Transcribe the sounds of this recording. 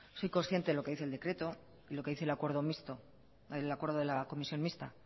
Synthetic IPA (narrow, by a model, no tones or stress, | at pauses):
so̞jko̞nsθje̞nt̪e̞ðeloke̞ðiθe̞ld̪e̞kɾe̞t̪o̞ | ilo̞ke̞ðiθelakwe̞ɾðo̞mist̪o | elakwe̞ɾðoðe̞lako̞misjo̞nmist̪a